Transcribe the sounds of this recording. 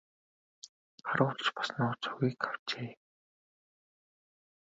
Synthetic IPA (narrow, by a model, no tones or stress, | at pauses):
χaɾʊːɮt͡ɕpḁsnʊːt͡sʰuɣiːkaw̥t͡ɕeː